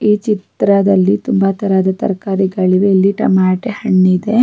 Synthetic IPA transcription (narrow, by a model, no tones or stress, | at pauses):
iːt͡ʃit̪ɾɐd̪ɐlːit̪umbɐt̪ɐɾaːd̪ɐt̪ɐ̰ɾkaːɾiɡɐɭiʋeːlːiʈɐ̰maːʈehɐɳːid̪e̞